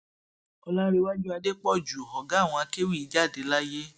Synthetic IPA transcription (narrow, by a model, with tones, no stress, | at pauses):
ɔ˧lã˦ɾe˧wa˦d͡ʒu˦a˧de˦k͡pɔ˦˨d͡ʒu˨ɦɔ˨ɡa˨˦˨w̃ɔ̃˧a˧ke˦wi˦˨i˨˦d͡ʒa˦˨de˨˦la˦je˦